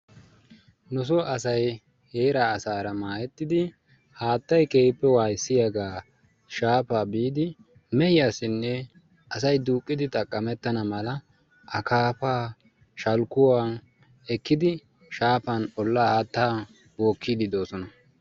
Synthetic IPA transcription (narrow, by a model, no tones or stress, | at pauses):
nʊs̬ɔʔɐsɐj | he̞ːɾaːsaːɾɐmaːjɛt̪ːɪd̪ɪ | haːt̪ːɐjkeːpːɛwaːjsːɪjaɡaː | ʃaːpaːbiːd̪ɪ | mɛjɪjaːsɪnːɛ | ʔɐs̬ɐjd̪uːkʼːɪd̪ɪt̪ʼɐkʼːɐmɛt̪ːɐnɐmɐlɐ | ʔɐkaːpaː | ʃɐlkʊwaːn | ɛkːɪd̪ɪ | ʃaːpɐnɔlːaːhaːt̪ːaː | bo̞ːkːiːd̪ɪd̪o̞ːsɔnɐ